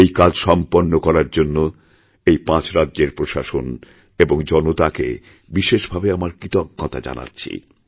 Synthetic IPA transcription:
ejkad͡ʑʃɔmponːokɔɾaɾd͡ʑonːo | ejpãt͡ɕɾadːʑeɾpɾoʃaʃon | eboŋd͡ʑɔnot̪akḛ | biʃeʃbʱabeamaɾkɾit̪ok̚ːɔt̪ʰa̰d͡ʑa̰na̰tːɕʰḭ

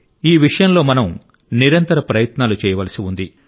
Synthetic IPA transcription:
iːʋiʂɐjɐmlo̞ːmɐnɐm | niɾɐnt̪ɐɾɐpɾɐjɐt̪naːlut͡ʃɛːjɐʋɐlɐsiund̪i

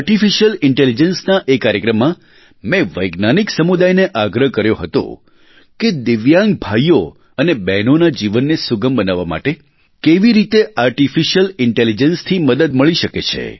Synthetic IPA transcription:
aɾʈifiʃəlɪɳʈelid͡ʒənsnaʔekaɾjəkɾəmːã | mɛ̃ʋəjɡnaniksəmud̪ajneʔaɡɾəɦkəɾjoɦət̪o̰ | ked̪ɪʋjãŋɡ̚bʱaio | ənebɛnonad͡ʒiʋənːesuɡəmbənaʋːama̰ʈe | keʋiɾit̪eaɾʈifiʃəlɪɳʈelid͡ʒənst̪ʰiməd̪əd̪̚məɭiʃəket͡ʃʰḛ

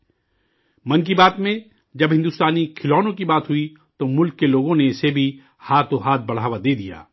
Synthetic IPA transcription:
mɐnk̬ibaːt̪mẽ | d͡ʒɐbɦɪ̃nd̪ʊst̪aːnikʰɪlɔːnõkibaːt̪ɦʊi | t̪omʊlkːeloːɡõneɪsebʱi | haːt̪ʰoɦaːt̪̚bɐɽ̤aːʋad̪eːd̪ija̰ː

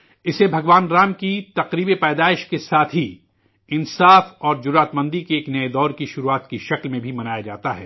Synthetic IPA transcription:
ɪsebʱɐɡʋaːnɾaːmkit̪ɐqɾiːbepɛːd̪aːɪʃkesaːt̪ʰɦi | ɪnsaːfɔːɾd͡ʒʊɾaːt̪mɐ̃nd̪ʱikeeːknɐed̪ɔːɾkiʃʊɾuaːt̪kiʃɐklmẽbʱimɐnaːjad͡ʒaːt̪aɦɛ̰ː

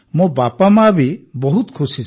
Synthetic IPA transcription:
mubapamabibɔɦut̪kʰusi

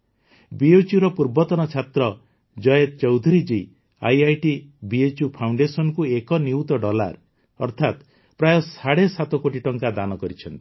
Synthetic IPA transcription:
biet͡ʃjuɾɔpuɾbɔt̪ɔnɔt͡ʃʰat̪ɾɔ | d͡ʒɔjet̪t͡ʃɔwd̪ʱuɾid͡ʒi | a̰jajʈibiet͡ʃupʰawɳɖesɔnɔkuekɔniwt̪ɔɖɔla̰ɾ | ɔ̰ɾt̪ʰat̪ | pɾajɔsaɽesat̪ɔkoʈiʈɔŋkad̪anɔkɔɾit͡ʃʰɔnt̪i̥

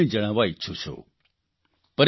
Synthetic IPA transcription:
ĩd͡ʒəɽ̃aʋaɪtːʃʰut͡ʃʰo̰ | pəɾ

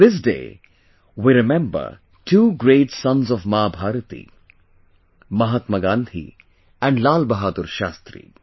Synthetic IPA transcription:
d̪ɪs̬dḛː | wiɾɪmɛ̃mbə̰ɾ | ʈʰuːɡɾeːʈsʌ̃nzɔʋmaːbʱaːɾət̪ḭ | mɐɦat̪məɡãːnd̪ʱḭ | ɛ̃ɳɖlaːlbɐɦaːd̪uɾʃaːst̪ɾḭ

